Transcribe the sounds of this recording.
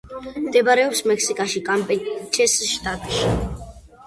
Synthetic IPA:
md̪ɛbaɾɛɔpsmɛkʰsikʼaʃikʼampʼɛt͡ʃʰɛsʃt̪ʼat̪ʼʃi

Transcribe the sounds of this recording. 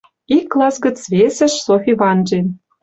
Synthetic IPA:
ikːlˠɑsɡə̆t͡sβesʲɘ̆ʃsofʲiβɑnʒe

